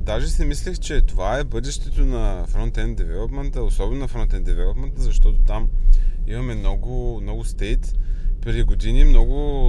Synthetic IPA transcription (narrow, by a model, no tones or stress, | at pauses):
d̪aʒɛsɛmislixt͡ʃɛt̪ovaɛbɤd̪ɛʃt̪ɛt̪onɐfɾɔnt̪ɛnd̪ɛvɛlˠopmɛnt̪əosɔbɛnʊnɐfɾɔnt̪ɛnd̪ɛvɛlˠopmɛnt̪əzɐʃt̪ɔt̪ot̪amimɐmɛmnɔɡʊmnɔɡʊst̪ɛjt̪pɾd̪ʲiɡod̪inimnɔɡʊ